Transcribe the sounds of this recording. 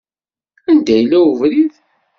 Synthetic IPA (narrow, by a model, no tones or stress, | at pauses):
ænd̪æjlːæuvɾið